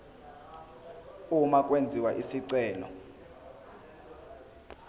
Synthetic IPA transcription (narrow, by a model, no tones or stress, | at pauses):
umak̬ʼwend͡zʱiwaʔisiǀɛːlɔ̰